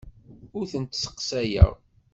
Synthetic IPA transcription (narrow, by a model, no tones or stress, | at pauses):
ʊɾθənt̪sə̥qsæjə̰ʁ